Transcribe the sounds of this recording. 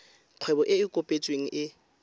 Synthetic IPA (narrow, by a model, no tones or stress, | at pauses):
q͡χʰwɛbɔʔɪɪkʼopʼet͡sʼweŋ̩ʔɪ